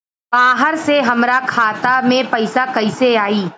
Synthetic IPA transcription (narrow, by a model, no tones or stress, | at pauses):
baːɦəɾseɦɐmɾakʰaːt̪amẽpɐɪsakɐɪseaːiː